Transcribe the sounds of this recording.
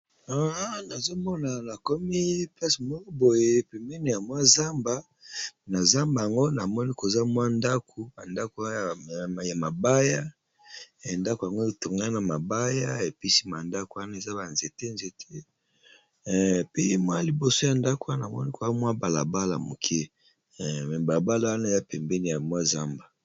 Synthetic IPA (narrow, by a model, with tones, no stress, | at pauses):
a˦na˨zo˦mɔ˦na˨na˨ko˦mi˦pla˦si˨mo˦bo˨je˨˦˨pe˨mɛ˦ne˨ja˨mwa˦za˦mba˦ | na˨za˦mba˨ja˨ŋɡo˦na˨mɔ˦ni˦ko˨za˦mwa˦nda˦kʰo˨ba˨nda˦ko˨˦˨ja˨ma˨ba˦ja˦˨ | nda˦ko˨ja˨ŋɡo˦e˨to˨ŋɡa˦na˨ma˨ba˦ja˦e˨pi˦si˦ma˨nda˦ko˨wa˦na˦e˨za˦ba˨nze˨te˦nze˨tʰe˦ | pi˦mwa˦li˨bo˨so˦ja˨nda˦ko˨wa˨mɔ˦ni˦ko˨za˦mwa˦ba˨la̰˨ba˦la̰˨mo˨kʰe˦˨ | ba˨la˨ba˦la˨wa˦na˦˨za˦pɛ˨mbɛ˦ni˨ja˨mwa˦za˦mba˨